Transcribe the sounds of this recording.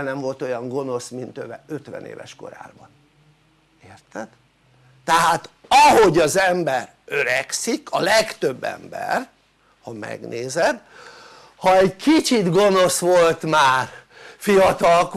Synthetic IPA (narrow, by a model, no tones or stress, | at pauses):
nɛɱvo̞lt̪o̞jɒŋɡo̞no̞smint̪øvɛøt̪ʋɛ̰nḛːvɛ̰ʃko̞̰ɾa̰ːbɒn | eːrt̪ɛd̪̥ː | ɛɦaːt̪ɒɦoɟɒzɛmbɛr | ø̞ɾɛksikʰɒlɛkt̪øbːɛ̰mbɛ̰r | hɒmɛ̰ɡneːzɛd̪ | hɒɛɟkit͡ʃid̪ɡo̞no̞sʋo̞lt̪maːr | fijɒt̪ɒlk